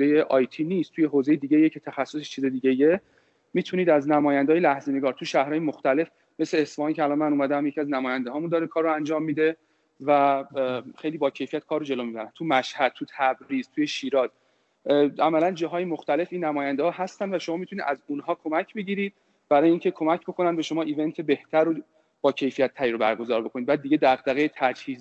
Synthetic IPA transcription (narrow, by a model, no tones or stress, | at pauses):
ejeʔɒːjt̪ʰiːniːst̪ʰuːje̞ɦoːzejed̪iːɟejecʰe̞t̪ʰæxæsːoset͡ʃʰiːzed̪iːɟeije | miːt̪ʰuniːd̪æznæmɒːjænd̪ːjlæhzeneɡɒːɾt̪ʰuʃæhɾɒːjemoxt̪æle̞f | me̞sleːsfohɑːncʰeælɒːnmænuːmæd̪æmjecʰiæznæmɒːjænd̪eɦɒːmund̪ɒːɾekʰɒːɾːoænd͡ʒɒːmːiːd̪e̞ | væ | xe̞jliːbɒːcʰe̞jfijæt̪̚kʰɒːɾrːod͡ʒe̞lomiːbæɾænt̪ʰumæʃhæd̪̥̚t̪ʰut̪ʰæbɾiːz̥t̪ʰuːjeʃiːɾɒːz | ʔæmælænd͡ʒɒːɦɒːjemoxt̪æle̞fiːnːæmɒːjænd̪ehɒːɦæst̪ænd̪væʃo̞mɒːmit̪ʰuniːd̪ʔæzunɦɒːkʰo̞mæcʰbe̞ɟiːɾiːd̪̥̚ | b̥æɾɒːjeiːŋcʰekʰo̞mæcʰbo̞kʰo̞nænd̪beʃo̞mɒːʔiːve̞nt̪ʰe̞be̞ht̪ʰæɾo | b̥ɒːcʰe̞jfijæt̪ʰːæɾiɾobæ̰ɾɡo̞zɒːɾbo̞kʰo̞nid̪bæːd̪ːiːɟed̪æɣd̪æɣejet̪ʰæd͡ʒhiːz